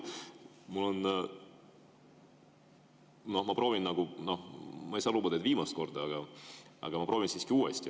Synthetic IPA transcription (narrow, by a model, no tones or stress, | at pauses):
mulon | no̞hmɑpɾo̞ːvinnɑɡuno̞hmɑejsɑːluːbɑd̪et̪viːmɑst̪ko̞rd̪ɑɑɡɑɑ̰ɡɑmɑpɾoːvʲinsiːskiuːɛsʲt̪ʲi